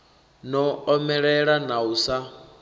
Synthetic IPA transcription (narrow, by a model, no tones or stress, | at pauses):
nɔɔmɛɺɛɺanausa